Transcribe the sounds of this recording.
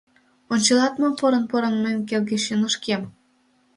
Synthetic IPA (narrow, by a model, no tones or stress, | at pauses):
onʲt͡ɕɤlɑt̪mopoɾə̆npoɾə̆nmənk̬elɣeʃinəʃkem